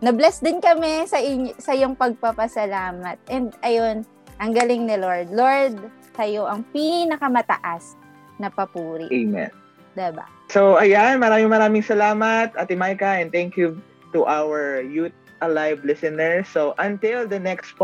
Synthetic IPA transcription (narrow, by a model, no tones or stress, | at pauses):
nɐblɛsd̪ɪnkɐmɛsɐʔɪɲsɐɪjoŋpɐɡ̚pɐpɐsɐlaːmɐt̪̚ʔɛnd̪ɐjon | ʔɐŋɡɐlɪŋnɪloɹd̪̚loɹd̪̚ | sɐjo̞ʔɐŋpinɐkɐmɐt̪ɐ̰ʔas | nɐpɐpuːɾɪ̰ʔemɛ̰n | d̪ɛba̰ | soɐjanmɐɾaːmɪmɐɾaːmɪŋsɐlaːmɐt̪ʔɐt̪ɪmajkɐɛ̃nd̪̚t̪ɛŋkju | t̪uʔawɛɹjut̪̚ | ɐlajvlɪsɐnɛɹsoʔɐ̃nt̪ɪld̪ɐnɛkst